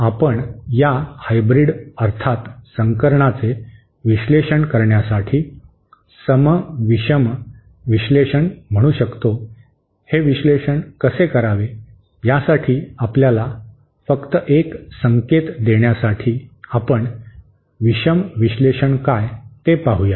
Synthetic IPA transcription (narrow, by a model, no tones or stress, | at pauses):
apəɳjahajbɾiɽəɾt̪ʰat̪səŋkəɾɳat͡se | ʋiɕleɕəɳkəɾɳjasaʈʰiː | səməʋiɕəm | ʋiɕleɕəɳm̤əɽ̃uːɕəkt̪o | heʋiɕleɕəɳkəsekəɾaʋe | jasaʈʰiːapljala | fəkt̪əʔeksəŋket̪d̪eɳjasaʈʰiːapəɳ | ʋiɕəmʋiɕleɕəɳkajt̪epaɦuja